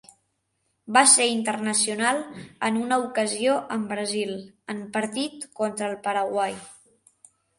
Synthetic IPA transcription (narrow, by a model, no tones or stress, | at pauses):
baseint̪ərnəsiunalˠənunəukəzioʔəmbɾəzilˠəmpəɾt̪it̪kɔnt̪ɾəːlˠpəɾəɣwaj